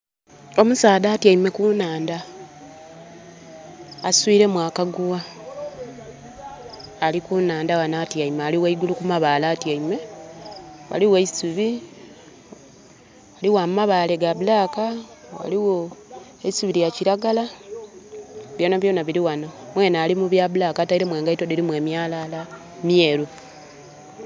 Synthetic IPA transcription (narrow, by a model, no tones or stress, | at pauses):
o̞musaːdaːtiaime̞kuːnaːnda | swiːɾe̞mwaːkaɡuwa | likunaːndawanaːtiaimaːliwaiɡulukumaβaːlaːtiaime̞ | wa̰liweisuβi | waliwamaβale̞ɡaβulaːkawa̰liwo | eisuβiɾjaciɾaɡala | βjo̞ːnaβjo̞ːnaβiɾiwanamwe̞ːnaːlimuβjaβulakataiɾe̞mwe̞ːŋɡaitodiɾimwe̞ːmjaːlala | mjeːɾu